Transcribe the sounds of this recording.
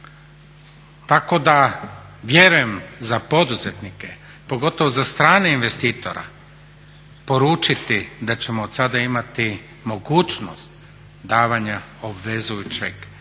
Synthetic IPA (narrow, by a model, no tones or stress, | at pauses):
t̪ako̞d̪aʋje̞ɾuje̞mzapo̞d̪uzet̪nike̞ | po̞ɡo̞t̪oʋozast̪ɾaːneinʋest̪iːt̪o̞̰ɾa̰ | po̞ɾuːt͡ʃit̪id̪at͡ɕe̞moːd̪sad̪aimat̪i | mo̞ɡuːt͡ʃno̰st̪ | d̪aːʋaɲaobʋe̞zujut͡ɕḛɡ